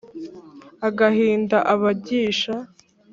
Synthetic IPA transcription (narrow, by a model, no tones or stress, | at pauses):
aɡahiːndaʔaβaɟiːʃa